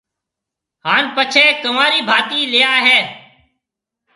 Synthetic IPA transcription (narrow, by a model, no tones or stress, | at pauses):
haːnpət͡ʃʰeːkəmaːɾiːbʱaːt̪iːlɪjaːɦɛː